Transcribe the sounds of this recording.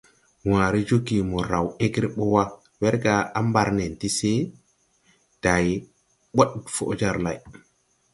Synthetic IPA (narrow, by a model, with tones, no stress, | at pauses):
wãː˨ɾi˦d͡ʒo˦ɡi˨mɔ˨ɾa˨we˦ɡɾi˦ɓɔ˦wa˦ | wɛ˦ɾɡa˨a˦mba˨ɾne˨nti˦se˦ | d̥a˨j | ɓo˦ɗfo̰˨ʔd͡ʒa˦ɾla˨j